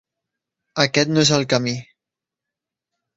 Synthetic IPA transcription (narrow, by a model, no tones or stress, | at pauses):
əkɛt̪noezəlˠkəmi